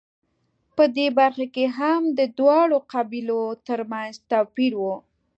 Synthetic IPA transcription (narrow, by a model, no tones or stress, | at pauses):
pəd̪ebaɾxakeɦamd̪əd̪wɑɽoqabilot̪əɾmanzt̪awpiɾwu